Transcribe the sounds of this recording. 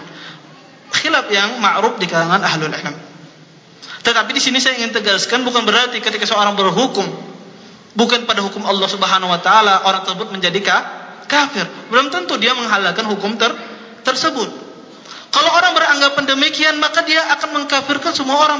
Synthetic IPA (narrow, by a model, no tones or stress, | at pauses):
xilafjaŋmaʔɾuf̚dikalaŋanaɦlulɪ̰lm | t̪ət̪apidisinisajaiŋɪnt̪əɡaskanbukanbəɾart̪ikət̪ikasəoɾaŋbərɦukʊm | bukanpadaɦukʊmɑlːɑhsubəɦanawat̪aalaʔoɾaŋt̪ərsəbʊt̪̚məɲd͡ʒadikakafɪrbəlʊmt̪ənt̪udiaməŋɦalalkanɦukʊmt̪ər | t̪ərsəbʊt̪̚ | kalowoɾaŋbəɾaŋɡapandəmikianmakadiaʔːkanməŋkafɪrkansəmuaoɾaŋ